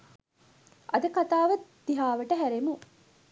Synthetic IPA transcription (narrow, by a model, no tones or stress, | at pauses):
ʔɐd̪ɐkat̪aːʋɐt̪d̪̥iɦaːʋɐʈɐɦæɾemu